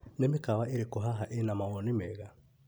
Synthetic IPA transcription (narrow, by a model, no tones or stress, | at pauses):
nemikawaiɾikuɦaɦaʔenamawɔnimɛɣa